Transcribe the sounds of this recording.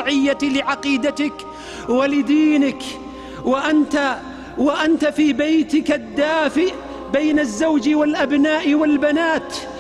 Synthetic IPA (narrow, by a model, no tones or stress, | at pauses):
ʕɪjːalɪʕɑqiːd̪at̪ɪk | walɪd̪iːnɪk | waʔant̪a | waʔant̪afiːbajt̪ɪkad̪ːaːfɪʔ | bajnazːawd͡ʒwalʔabnaːʔɪwalbanaːt̪